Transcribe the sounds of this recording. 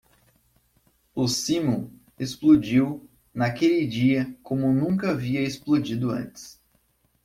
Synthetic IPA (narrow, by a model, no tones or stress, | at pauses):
ʊsĩmũ | esplod͡ʒiw | nakelɪd͡ʒiɐkõmʊnũkɐaviɐesplod͡ʒid̪ʊɐ̰̃t͡ʃɪ̥s